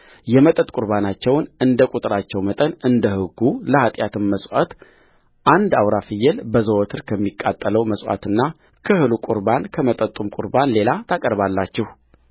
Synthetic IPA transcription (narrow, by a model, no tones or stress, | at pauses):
jɛmət̪ʼət̪ʼkʼuɾbanat͡ʃːɛwnɨnd̪əkʼut̪ʼɨɾat͡ʃːɛwmət̪ʼənɨnd̪əhɨɡːuləhat̪ʼjat̪ʰɨmməsʼwat̪ | ʔand̪awɾafɨjːɛlbəzəwɔt̪ʰɨɾkʰəmːikʼːat̪ʼːələwməsʼwa̰t̪ɨnːa | kʰəhɨlukʼuɾbankʰəmət̪ʼət̪ʼumkʼṵɾbanle̞lat̪ʰakʼəɾβalːat͡ʃːɛh